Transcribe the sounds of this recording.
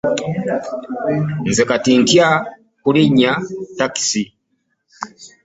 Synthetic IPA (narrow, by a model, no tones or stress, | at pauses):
nzɛkatintia | kuliɲataksi